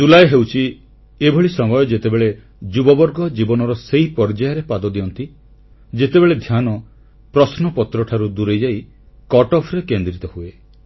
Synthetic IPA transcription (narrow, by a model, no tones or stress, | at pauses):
d͡ʒulajɔɦewt͡ʃʰi | ebʱoɭisɔmɔjɔd͡ʒet̪ebeɭe | d͡ʒubɔbɔɾɡɔd͡ʒibɔnɔɾɔsejpɔɾd͡ʒajaɾepad̪ɔd̪iɔnt̪i | d͡ʒet̪ebeɭed̪ʱjanɔ | pɾɔsnɔpɔt̪ɾɔʈʰaɾud̪uɾejd͡ʒaj | kɔʈɔpʰɾekend̪ɾit̪ɔhue